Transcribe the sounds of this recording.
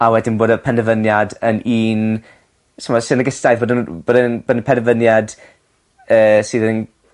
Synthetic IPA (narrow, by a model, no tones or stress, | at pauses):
awɛdɪnboːdəpʰɛnəvənjadəniːn | tʰəmɔsɪnəɡəstajðboːdənboːdənboːdənpʰɛnəvənjad | əːsɨːðən